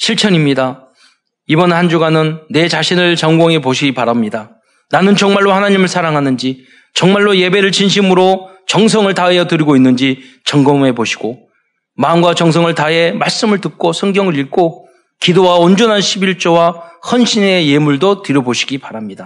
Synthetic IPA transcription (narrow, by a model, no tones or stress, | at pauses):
ɕʰiɭt͡ɕʰʌɲimɲida | ibʌnhand͡ʑuɡanɯnːe̞t͡ɕaɕʰinɯɭt͡ɕʌŋɡʌŋepoɕʰiɡipaɾamɲida | nanɯnt͡ɕʌŋmaɭːohanaɲimɯɭsʰaɾaŋɦanɯnd͡ʑi | t͡ɕʌŋmaɭːoje̞be̞ɾɯɭt͡ɕinɕ̬ʰimɯɾo | t͡ɕʌŋs̬ʰʌŋɯɭtaɦejʌtɯɾiɡoinːɯnd͡ʑi | t͡ɕʌŋɡʌme̞poɕʰi̥ɡ̥o | mamɡwat͡ɕʌŋsʰʌŋɯɭtaɦe̞maɭs͈ɯmɯɭtɯk̚k͈osʰʌŋɡjʌŋɯɾiɭk͈o | kidowaond͡ʑʌnɦanɕʰibiɭt͡ɕ͈owahʌnɕʰine̞je̞muɭdotɯɾjʌboɕʰi̥ɡipaɾamɲida